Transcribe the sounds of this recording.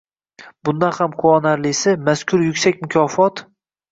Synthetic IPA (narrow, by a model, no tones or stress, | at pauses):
bʊnd̪anhamqʰʊɒnaɾlɪsɪmaskʲʰʊɾjʊkʲsakʲmʊkʲʰɒfɒt̪